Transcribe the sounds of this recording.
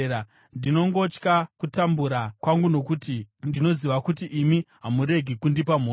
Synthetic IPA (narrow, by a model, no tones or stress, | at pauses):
a | ndino̞ŋɡo̞t͡ʃkakutambuɾakwaŋɡuno̞kutindino̞ziʋakutiʔimiɦamuɾe̞ɡʱikundipam̤o